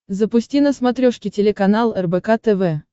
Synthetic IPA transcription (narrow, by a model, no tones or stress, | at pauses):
zəpʊsʲtʲinəsmat̪ɾʲoʂkʲɪtʲɪlʲɪkɐnalˠɛrbɛkat̪ɛvɛ